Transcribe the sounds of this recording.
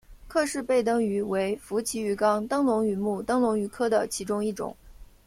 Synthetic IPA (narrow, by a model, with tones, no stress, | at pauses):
kʰɤ˥˧ʂɻ̩˥˧pe˥˩ɪt̪̬ɤ˥ŋy˧˥we˧˥ɪfu˧˥t͡ɕʰi˧˥y˧˥kɑ˥ŋt̪ɤ˥ŋlʊ˧˥ŋy˧˩mu˥˩t̪ɤ˥ŋlʊ˧˥ŋy˧˥kʰɤ˥d̪ə˨t͡ɕʰi˧˥ʈ͡ʂʊ˥ŋi˥˩ʈ͡ʂʊ̰˨˩˦ŋ